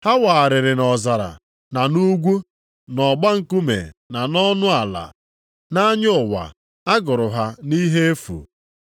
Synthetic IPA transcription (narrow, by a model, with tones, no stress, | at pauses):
ha˦waː˨ɾɪ˨ɾɪ˨nɔ˨za˨ɾa̰˨ | na˨nu˦ɡʷu˦ | nɔ˨ɡ͡ba˦ŋ̩˨ku˦mḛ˨na˨nɔ˦nʊ˦a˨la̰˨ | na˦ɲ˦ʊ˨wa̰˨ | a˦ɡʊ˨ɾʊ˨ɦa˦ni˦ɦe˦e˦fṵ˨